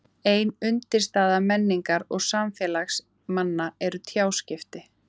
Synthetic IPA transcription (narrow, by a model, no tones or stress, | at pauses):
eːjnʏnt̪ɪɾ̥st̪aːðamɛnːiŋkaɾɔɣsamfɛːlaxs | manːaɛɾʏt̪ʰjaːwscɪft̪ɪ